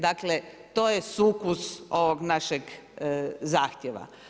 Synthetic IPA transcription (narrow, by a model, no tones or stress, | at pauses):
d̪aklet̪oːjesuːkuso̞ʋoɡnaʃeɡ | zaːxt̪jeʋa̰